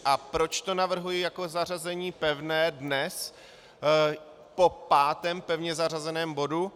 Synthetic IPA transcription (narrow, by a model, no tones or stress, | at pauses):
ʔapɾo̞t͡ʃt̪o̞navr̩ɦujɪjako̞zar̝azɛɲiːpɛvnɛːdnɛs | popaːt̪ɛmpɛvɲɛzar̝azɛnɛːmbo̞du